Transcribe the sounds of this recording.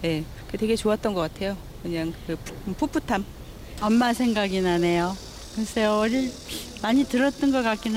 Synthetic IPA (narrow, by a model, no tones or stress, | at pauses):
je̞ | ɯtwe̞ɡe̞t͡ɕoat̚t͈ʌnɡʌk͈atʰe̞jo | kɯɲaŋkɯpʰup͈ʰutʰam | ʌmːasʰe̞ŋɡaɡinane̞jo | kɯʌsʰeʌɾiɭmaɲitɯɾʌt̚t͈ʌnɡʌk͈ak͈̚in